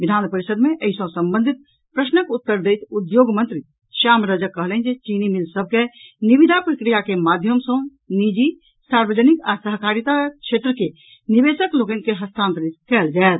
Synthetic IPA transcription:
bid̪ʱanpəɾisəd̪meʔəɦisə̃səmbə̃nd̪ʱit̪̚ | pɾəsnəkut̪ːəɾd̪ejt̪ud̪joɡmənt̪ɾi | ʃamɾəd͡ʒəkːəɦlɛnd͡ʒet͡ʃinimilsəb̚ʱkeniβid̪ʱapɾəkɾijakemad̪ʱjəmsə̃ | nid͡ʒi | saɾbəd͡ʒənikasəɦkaɾit̪at͡ʃʰeʈ̪ɾəke | nibesəklokənkeɦəst̪ʰant̪ɾit̪̚kɛld͡ʒaet̪

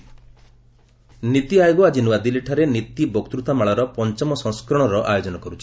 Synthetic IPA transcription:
nit̪iajɔɡɔad͡ʒinuwad̪ileʈʰaɾenit̪ibɔkt̪ɾut̪amaɭaɾɔpɔnt͡ʃɔmɔsɔ̃ŋskɾɔɽ̃ɔɾɔʔajod͡ʒɔnɔkɔɾut͡ʃʰi̥

